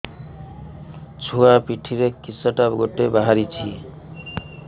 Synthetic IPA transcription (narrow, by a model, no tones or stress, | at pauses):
t͡sʰuapiʈʰiɾekisʌʈabɡoʈebaɦaɾit͡sʰi